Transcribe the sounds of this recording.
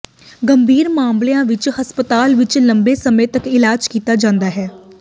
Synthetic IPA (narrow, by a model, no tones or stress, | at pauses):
ɡəmbʱiːɾmãːmblejãːʋɪt͡ʃhəspət̪aːlʋɪt͡ʃləmbeːsəmẽːt̪əkɪlaːd͡ʒkiːt̪aːd͡ʒãːnd̪aːɦɛː